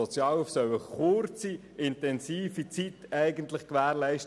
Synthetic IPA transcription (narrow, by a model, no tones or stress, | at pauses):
ɔt͡sjɑːlufsœwəχʊɾt͡si | ɪntɛnsiːfit͡sitɛɪɡəntlɪχkʋæːɾlɛɪʃt